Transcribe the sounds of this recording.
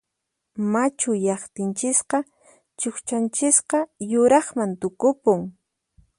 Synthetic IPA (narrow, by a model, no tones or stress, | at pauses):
mat͡ʃʊjɑχt̪ɪnt͡ʃɪsqɑ | t͡ʃoχt͡ʃant͡ʃɪsqɑjʊɾɑχmant̪ʊkʊpʊŋ